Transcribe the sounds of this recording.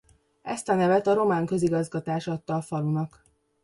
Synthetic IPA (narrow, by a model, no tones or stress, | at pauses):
ɛst̪ɒnɛvɛt̪ɒɾo̞maːŋkø̞ziɡɒzɡɒt̪aːʃɒt̪ːɒːfɒlunɒk